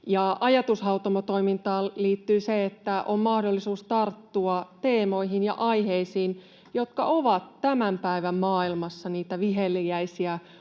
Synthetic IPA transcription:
jɑʔɑjɑt̪ushɑut̪omot̪o̞ijmint̪ɑːliːt̪ːyːseet̪ːæʔomːɑhdolːisuːst̪ɑrt̪ːuɑt̪eːmo̞iɦinjɑ̰ʔɑiɦeisiːn | jot̪kɑʔoʋɑt̪tæmæmpæiʋæmmɑːilmɑsːɑniːt̪æʋiɦelːiæisiæ

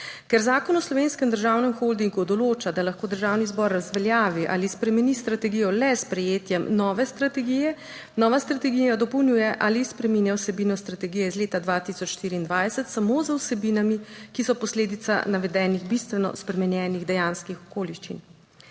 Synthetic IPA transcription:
kɛɾzaːkɔnɔslɔʋeːnskɛmd̪əɾʒawnɛmxold̪iŋɡud̪ɔloːt͡ʃad̪alaxkoːd̪əɾʒaːwnizbɔɾːazʋɛljaːʋiʔa̰ːlispɾɛmɛnist̪ɾat̪ɛɡijɔlɛspɾɛjeːt̪jɛmnɔːʋɛst̪ɾat̪ɛɡijɛ | nɔːʋast̪ɾat̪ɛɡijad̪ɔpɔwnʲjuːjɛʔalispɾɛminjawsɛbiːnɔst̪ɾat̪ɛɡijɛizleːt̪ad̪ʋat̪isɔt͡ʃʃt̪iːɾiːnd̪ʋaːjsɛt̪samozəwsɛbinamikisɔpɔsleːd̪it̪sa̰naʋɛd̪ɛːniɣbist̪ʋɛnɔ̰spɾɛmɛnjɛːniɣd̪ɛjaːnskixɔ̥koːliʃt͡ʃḭn

